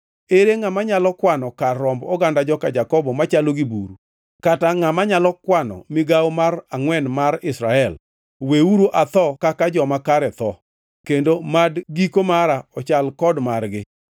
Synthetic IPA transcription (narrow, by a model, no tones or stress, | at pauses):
eɾeŋamaɲalɔkwanɔkaːɔmbɔɡandad͡ʒɔkad͡ʒakɔbɔmat͡ʃaloɡibṵɾu | kataŋamaɲalɔkwanɔ̰mɪɡawmaraŋwɛnmaɾɪsɾaɛl | weuɾoʔat̪ɔkakad͡ʒɔmakaɾɛt̪ɔ | kendomadɡikomaɾaɔt͡ʃalkɔdmarɡɪ